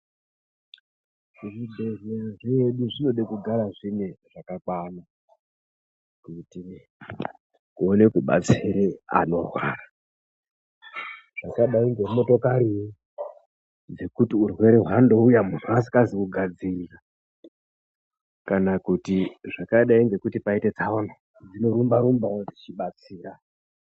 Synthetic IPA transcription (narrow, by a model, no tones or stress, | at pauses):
uʐibʱereaʐeɗuʐino̞ɗakuɡʱaɾaʐineʐ̥akakwana | kuti | kuone̞kuɓa̰t͡siɾea̰no̞̰rwa̰ːra | ʐ̥akaɗaiŋɡeumo̞to̞kaɾii | d͡ze̞kutiurwe̞ɾeɦwando̞ujamun̤uasi̥kazikuɡʱad͡zirira | kanakutiʐakaɗaiŋɡe̞kutipaite̞t͡saona | d͡zino̞ɾumbaɾumbaod͡zit͡ʃiɓat͡siːra